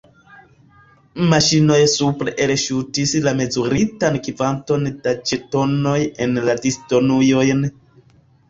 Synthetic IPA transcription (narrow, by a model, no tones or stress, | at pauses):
maʃino̞jsupɾe̞ʔelʃutislame̞zuɾitankivanto̞nd̥at͡ʃeto̞no̞je̞nladisto̞nujo̞jn